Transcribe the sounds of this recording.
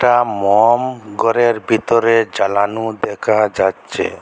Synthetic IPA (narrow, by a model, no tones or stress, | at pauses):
ʈamɔmɡɔɾeɾbʱit̪ɔɾed͡ʒalanud̪ɛkʰad͡ʒatːʃʰḛ